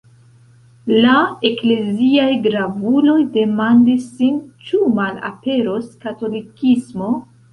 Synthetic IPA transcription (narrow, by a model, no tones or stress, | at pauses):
lae̞kle̞ziajɡɾavulo̞jde̞mandisːint͡ʃumala̰pe̞ɾoskato̞likismo̞